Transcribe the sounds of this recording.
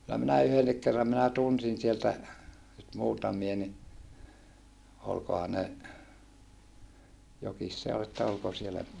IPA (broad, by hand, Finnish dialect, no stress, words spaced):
kylːæ minæ yhenːik kerːɑm minæ tunsin sieltæ nyt muːtɑmie ni olkohɑ ne jokis se ol etːæ olko sielːæ